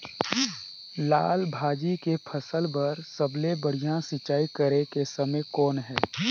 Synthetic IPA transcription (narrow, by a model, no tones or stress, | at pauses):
la̰ːlbʱaːd͡ʒikepʰəsəlbəɾsəblebəɽ̤ijãsɪt͡ʃːaːikəɾekesəməjkɔːnɦɛː